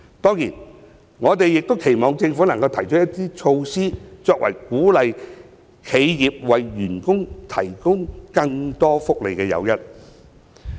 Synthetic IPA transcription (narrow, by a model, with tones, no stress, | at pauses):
t̪ɔː˥ŋjiː˨˩n | ŋɔː˨˧t̪e˨jːɪ˨k̚t̪o˥wkʰe˨˩jmɔː˨ŋt͡sɪ˧ŋfuː˨˥nɐ˨˩ŋkɐ˧wt̪ʰɐ˨˩jt͡ʃɔ˥jɐ˥t̪ːiː˥t͡ʃʰo˧wsiː˥t͡sɔː˧k̚wɐ̰˨˩jkuː˨˥lɐ˨j | kʰe˨˧jjiː˨p̚wɐ˨jːyː˨˩nkʊ˥ŋt̪ʰɐ˨˩jkʊ˥ŋkɐ˧ŋt̪ɔː˥fʊ˥k̚lḛ˨˩jkɛː˧jɐ̰˨˧wjɐ˥t̚